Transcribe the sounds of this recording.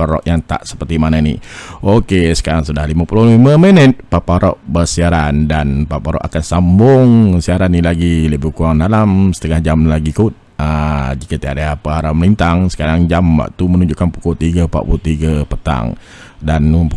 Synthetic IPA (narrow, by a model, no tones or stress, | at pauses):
aɾɔ̰ʔjaŋt̪a̰ʔsə̥pərt̪imananḭʔokesə̥kaɾaŋsudahlimapulʊhliməmənət̪̚papaɾɔ̰ʔbərsiaɾandanpapaɾɔ̰ʔakansambʊŋsiaɾanilaɡiləbukuaŋdalamsə̥t̪əŋahd͡ʒamlaɡikut̪̚ | əd͡ʒikət̪iadaapəaɾamlint̪aŋsə̥kaɾaŋd͡ʒamwa̰ʔt̪umənuɲd͡ʒuʔkanpu̥kɔt̪iɡəpa̰ʔpulut̪iɡəpət̪a̰ŋ | dan